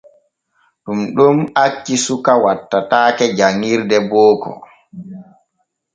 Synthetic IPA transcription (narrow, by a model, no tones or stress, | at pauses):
ɗumɗumakːisukawatːataːkɛd͡ʒaŋiɾdɛbɔːkɔ̰